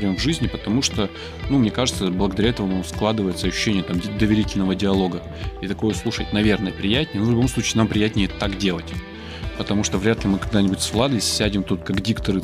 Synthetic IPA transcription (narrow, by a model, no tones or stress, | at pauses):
ɾʲomvʐɨzʲnʲɪpət̪ɐmuʂt̪o | numnʲekaʐɨt̪səblˠəɡəd̪ɐɾʲaɛt̪əvəmsklˠad̪ɨvəjɪt̪səɐɕʉ̥ɕːenʲɪjət̪amʲd̪əvʲɪɾʲitʲɪlʲnəvədʲɪɐlˠo̞ɡə | it̪ɐko̞jəslˠuʂətʲnɐvʲe̞rnəjəpɾʲɪjætʲnʲɪjənovlʲʊbo̞msˠut͡ɕɪːnampɾʲɪjætʲnʲɪjətt̪akdʲe̞lˠətʲ | pət̪ɐmuʂt̪ovɾʲæt̪lʲɪmɨkɐɡ̚d̪anʲɪbʊtʲsvlˠad̪əsʲːædʲɪmt̪ut̪kaɡdʲikt̪əɾɨ